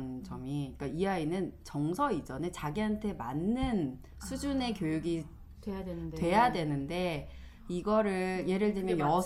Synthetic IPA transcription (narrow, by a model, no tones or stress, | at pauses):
nd͡ʑʌmiik͈aiainɯnt͡ɕʌŋsʰʌid͡ʑʌnet͡ɕaɡiɦantʰe̞manːɯn | sʰud͡ʑune̞kjojuɡi | jatwe̞jadwe̞nɯnde̞ | iɡʌɾɯje̞ɾɯɭtɯmjʌnjʌ